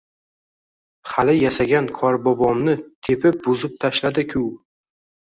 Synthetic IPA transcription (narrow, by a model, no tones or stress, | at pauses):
χalɪjasaɡʲankʰɒɾbɒbɒmnɪt̪ʰe̞pʰɪp̚bʊzɪp̚t̪ʰaʃlad̪ɪkʲʰʊw